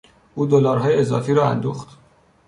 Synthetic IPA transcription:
ʔuːd̪olɒːɾɦɒːjeezɒ̰ːfiːɾɒːæ̰nd̪oːxt̪

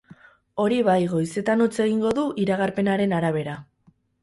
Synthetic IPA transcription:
o̞ɾiβajɣo̞jse̞t̪anot͡se̞ɣiŋɡo̞ðuʔiɾaɣaɾpe̞naɾe̞naɾaβ̞e̞ɾa

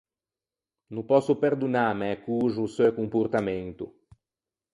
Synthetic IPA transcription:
nũpɔsʊpeɾd̪unaɾmɛkuʒʊːsewkõmpoɾt̪amẽnt̪ʊ

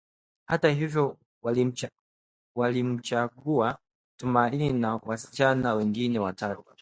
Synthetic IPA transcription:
hatahivjɔ | walim̩t͡ʃaɡua | tumaininawasi̥t͡ʃanawɛŋɡinɛwatatu

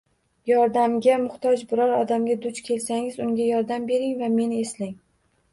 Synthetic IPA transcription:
jɒɾd̪amɡʲamʊχt̪ʰɒd͡ʒbɪɾɒɾɒd̪amɡʲad̪ʊt͡ʃkʲʰe̞lsaŋʲɪzʊŋɡʲajɒɾd̪ambe̞ɾɪŋvame̞nɪe̞slɪŋ

